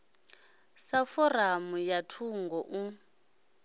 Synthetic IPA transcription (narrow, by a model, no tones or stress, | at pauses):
safɔramujatʰuŋɡɔʔu